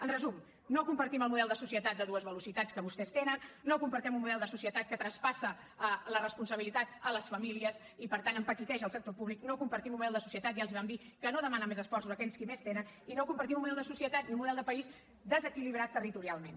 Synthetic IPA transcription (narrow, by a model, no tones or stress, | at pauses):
ənrəzum | nokumpəɾt̪iməlˠmuðɛlˠd̪əsusiət̪at̪̚d̪əðuəzβəlusit̪at͡skəβust̪ɛst̪enənːokumpəɾt̪ɛmunmuðɛlˠd̪əsusiət̪at̪̚kət̪ɾəspasəː | lərəspunsəβ̞ilit̪at̪ələsfəmiliəs | ipəɾt̪anəmpək̪it̪ɛʒəlˠsək̚t̪opuβlik̚nokumpəɾt̪imunmuðɛlˠd̪əsu̥siət̪at̪jalˠziβɛmd̪ikənoðəmanəmezəsfɔrsuzəkɛʎskimest̪enəninokumpəɾt̪imunmuðɛlˠd̪əsusiət̪at̪niunmuðɛlˠd̪əpəiz | d̪əzəkiliβ̞ɾat̪ːərit̪uɾialˠmen